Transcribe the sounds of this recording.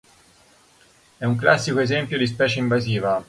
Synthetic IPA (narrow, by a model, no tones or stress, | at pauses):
ɛuŋklasːikoezɛmpjod̪ispɛːt͡ʃeiɱvaziːva